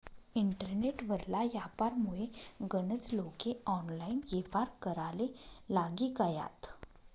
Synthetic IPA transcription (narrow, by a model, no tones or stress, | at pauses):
iɳʈəɾneʈʋəɾlajapaɾmuɭeɡənət͡slokeɔnlainjefaɾkəɾalelaɡikaja̰t̪